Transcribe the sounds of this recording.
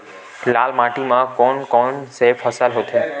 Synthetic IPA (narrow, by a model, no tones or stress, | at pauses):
lalmaʈimãkɔnkɔnsefʰəsalɦot̪ʰẽ